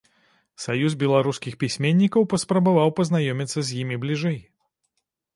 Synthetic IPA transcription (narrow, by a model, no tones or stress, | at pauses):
sajuzbʲɛlˠaɾuskʲixpʲisʲmʲenʲːikɐwpɐspɾɐbavawpɐznajɔmʲit̪sːɐzʲjimʲiblʲiʐɛj